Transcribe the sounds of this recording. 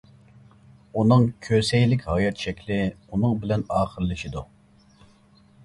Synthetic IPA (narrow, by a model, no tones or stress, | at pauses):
unɨŋkʲʰøsɛjlɪkʲhɑːjɑt̪̚t͡ʃʰɛkʲlɪ | unɨŋbɪlɛnɑːχəɾlːɨʃid̪u